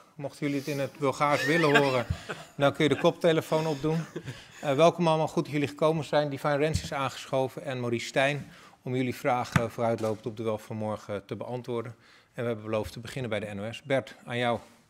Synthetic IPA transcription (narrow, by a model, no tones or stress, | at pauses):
mɔχtəjɵliətɪnətbɵlˠχaːɹsʋɪləɦʊːrəndakɵnjədəkɔp̚tejləfownɔb̚dun | ʋɛlˠkəmɑlˠmɑχutjɵliχəkowmənzɛjndifajrɛnsɪsaːnχə̥sχowvənɛnmoristɛjn | ɔmjɵlivraːχəfʊːrœɥtlowpəntɔb̚dəʋɛlˠfɑnmɔɹχətəbəʔɑntʋʊːɹdən | ɛnʋəɦɛbənbəlowftəbəχɪnənbɛjdəɛnoɛsbɛɹtaːnjʌw